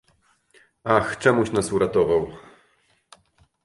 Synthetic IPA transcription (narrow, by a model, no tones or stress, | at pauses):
axt͡ʂɛmuɕnasuɾat̪ɔvaw